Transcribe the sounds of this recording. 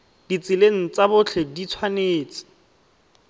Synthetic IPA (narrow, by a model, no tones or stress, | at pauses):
d̥it͡sɪleŋ̩t͡sabʊt͡ɬʰɛdit͡sʰwaneːt͡sɪ̥